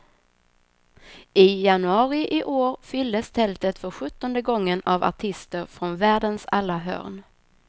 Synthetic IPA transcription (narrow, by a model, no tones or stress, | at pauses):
ʔɪjanɵɑːɾɪʔɪʔoːɾfʏld̪əst̪ʰɛlt̪ət̪fœɾɧɵt̪ːɔnd̪əɡɔŋːənava̰ʈʰɪst̪əɾfɾɔnvæːɖənsalːaɦœ̰ːɾn